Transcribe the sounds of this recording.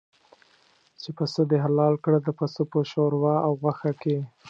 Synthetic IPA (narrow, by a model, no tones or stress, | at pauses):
t͡ʃepasəd̪eɦalɑlkɽəd̪əpasopəʃoɾwɑawɣwaxake